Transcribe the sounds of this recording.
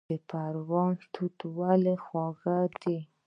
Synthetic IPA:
əpaɾwɑnt̪ʰut̪walexwɑɣad̪i

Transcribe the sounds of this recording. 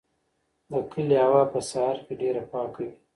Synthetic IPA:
d̪əkʰəliawɑpəsaɑɾkeɖeɾapɑkawi

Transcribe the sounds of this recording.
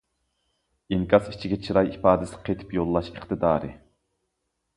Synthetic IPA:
iŋkʲʰɑsi̥t͡ʃʰiɡʲɛt͡ʃʰiɾɑjipɑːd̪ɪsɪ̥qʰet̪ʰɪ̥pjolˠːɑʃəχt̪ɨd̪ɑːɾɨ̰

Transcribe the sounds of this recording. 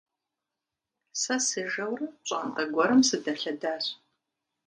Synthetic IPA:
sɐsɨʒɐwrɨɕʼa̰ːnqɐɡʷɔɾɨmsɨdɐɬɐdaːɕ

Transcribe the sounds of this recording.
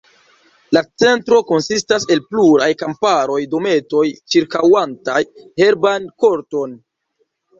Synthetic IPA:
lat͡se̞ntɾo̞ko̞nsistase̞lpluɾajkampaɾo̞jdo̞me̞to̞jt͡ʃiɾkawantajhe̞ɾbanko̞ɾto̞n

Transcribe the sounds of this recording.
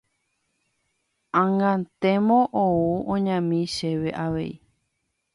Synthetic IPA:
ãŋɡãnt̪ẽmõʔouõɲãmĩʃeʋe̞ʔaʋe̞̰i

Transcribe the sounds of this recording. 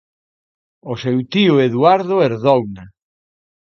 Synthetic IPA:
osewt̪iʊeðuaɾðʊeɾðɔwna

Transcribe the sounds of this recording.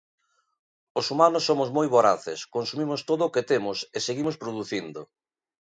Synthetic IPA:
osumanʊsːomozmojβoɾaθɪskonsumimʊst̪oðʊːket̪emʊseseɣimʊspɾoðuθind̪ʊ

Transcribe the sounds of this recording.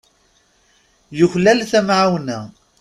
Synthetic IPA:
jʊçlælθæmʕawnæ

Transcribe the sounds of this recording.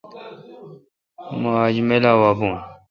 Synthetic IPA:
maːd͡ʑmelaːwaːbũːn

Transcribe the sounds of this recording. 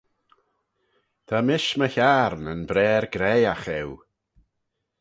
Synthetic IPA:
d̪̥ʰamɪʃməçaɾnənbɾɛːɾɡɾɛjaxɛw

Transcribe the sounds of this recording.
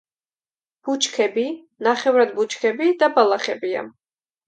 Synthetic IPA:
b̥ut͡ʃʰkʰɛbi | naχɛvɾad̪but͡ʃʰkʰɛbid̪abalˠaχɛbia̰

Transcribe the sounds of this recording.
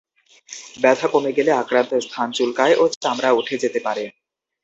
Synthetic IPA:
bɛd̪ʰʱakomeɡeleakɾant̪oɾst̪ʰant͡ɕulkaeʔot̪amɾauʈʰed͡ʑet̪epaɾe

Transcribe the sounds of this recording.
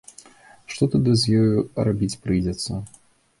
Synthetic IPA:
ʂt̪ɔt̪ud̪ɨzʲjɔjuɾabʲit͡sʲpɾɨjd͡zʲɛt̪sːɐ

